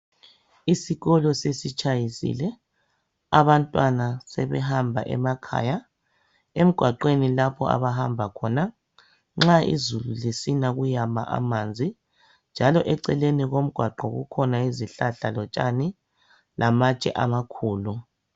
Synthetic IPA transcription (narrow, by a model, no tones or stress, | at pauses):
isiɣɔlɔsesit͡ʃʰʼajisḭlɛ | aβantʼwanasɛβɛɦambʱa̰ʔɛ̰makʰa̰ja | em̩ɡ̥ʱwaǃwenilapʰɔ̰a̰βaɦambʱakʰɔna | ŋ͡ǁaḭzululisinaɣujama̰ʔa̰maːnd͡zʱi | nd͡ʒʱalɔʔɛǀɛleniɣom̩ɡ̥ʱwaǃɔɣṵkʰɔnaiziɬaɬalɔt͡ʃʼa̰ni | lamat͡ʃʼɛ̰ʔamakʰuːlu